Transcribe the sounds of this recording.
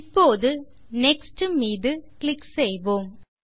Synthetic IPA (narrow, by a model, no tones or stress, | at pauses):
pːoːðɯnɛksʈɯmiːðɯkɭɪksɛjʋoːm